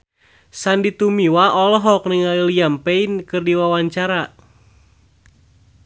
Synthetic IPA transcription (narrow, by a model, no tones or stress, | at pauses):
sandit̪umiwaʔɔlɔɦɔk̚niŋalilijampeinkɨrdiwawaɲt͡ʃaɾa